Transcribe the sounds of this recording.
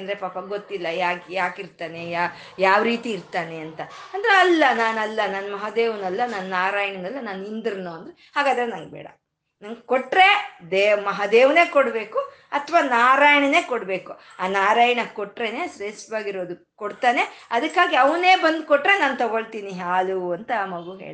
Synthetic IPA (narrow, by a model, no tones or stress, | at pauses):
ɐnd̪ɐɾepaːpɐɡot̪ːilːɐjaːkjaːkiɾt̪aːnejaː | jaːʋɾiːt̪iːɾt̪aːne̞ɐnt̪ɐɐnd̪ɐɾeɐlːɐnaːnɐlːɐnanmɐɦad̪eːʋnɐlːɐnannaːɾaːjɐɳɐnɐlːɐnaːnind̪ɾinoːɐnd̪ɾehaːɡaːd̪ɐɾenɐŋɡebɛ̰ːɽɐ̰ | nɐŋɡkoʈːɾe̞d̪eːmɐɦɐd̪eːʋne̞ːkoɽbe̞ːku | ɐt̪ʰʋaːnaːɾaːjɐɳɐne̞ːkoɽbe̞ːku | aːnaːɾaːjɐɳɐkoʈːɾe̞neːsɾesʋaːɡiɾoːd̪u | koɽt̪aːne̞ɐd̪ɐkːaːɡiɐʋne̞ːbɐnd̪koʈːɾenaːnt̪ɐɡo̞ɭt̪iːniɦaːluɐnt̪ɐmɐɡuɦḛːɭ